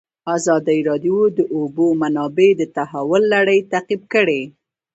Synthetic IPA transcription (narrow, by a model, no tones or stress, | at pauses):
azɑd̪aiɾɑd̪jod̪əʔobomanɑbed̪ət̪aɦawʊlːaɽəjt̪aqib̚kəɽe